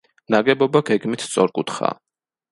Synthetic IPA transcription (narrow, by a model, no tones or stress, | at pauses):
naɡɛbɔbaɡɛɡmit̪ʰst̪sʼɔɾkʼut̪χa̰ː